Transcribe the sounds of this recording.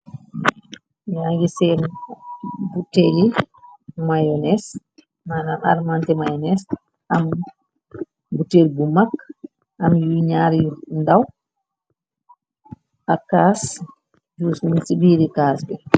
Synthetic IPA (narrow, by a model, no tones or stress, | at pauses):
jaŋɡisɛn | buteli | majɔnɛs | manana̰ɾmantɛmajɔnɛs | ʔam | butelibumakː | ʔamjuɲaːɾjundaw | ʔakas | d͡ʒusminsibiːɾikaːsbɛ